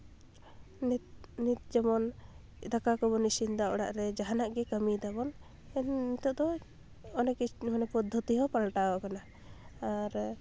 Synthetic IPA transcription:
nnit̪̚d͡ʒɛmɔn | d̪akakɔbɔnisind̪aʔɔɽa̰ʔɾɛd͡ʒaɦanaʔɡɛkəmid̪abɔn | ɛnnit̪ɔʔd̪ɔ | ɔnɛkimanɛpɔd̪ʱːɔt̪iɦɔpalʈawɔkanaː | ɾ

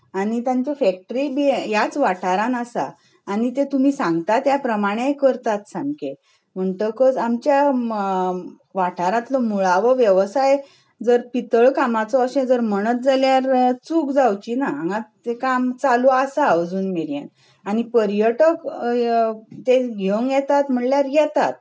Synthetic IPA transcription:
aɽ̃it̪jãɲt͡ɕefɛk̚ʈɾibijat͡sʋaʈʰaɾanasa̰ː | ɽ̃it̪et̪um̤iːsãŋɡt̪at̪japɾəmaɽ̃ejkəɾt̪at̪sãŋɡke | m̤əɳt̪əkəsamt͡ɕja | ʋaʈʰaɾãt̪lɔmuɭaʋəʋjəʋsaj | d͡zəɾpit̪əɭkamat͡sɔəɕẽd͡zəɾm̤əɽ̃ət̪̚d͡zaljaɾt͡sukd͡zawt͡ɕinaaŋɡat̪ekamt͡saluasaəd͡zuːnmeɾijə̰n | aɽ̃ipəɾjəʈək | t̪eɡʱeʋəŋɡjɛt̪at̪m̤əɳljaɾjɛt̪a̰t̪̚

